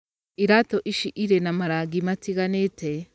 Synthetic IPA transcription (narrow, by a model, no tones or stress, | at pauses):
iɾatoʔiʃiʔiɾenamaɾaɡimatiɣanete